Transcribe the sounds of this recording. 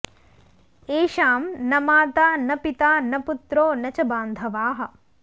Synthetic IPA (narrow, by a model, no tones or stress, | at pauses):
eːʃaːmnɐmaːt̪aːnɐpit̪aːnɐput̪ɾoːnɐt͡ʃɐbaːnd̪ʱɐʋaːɦɐ̆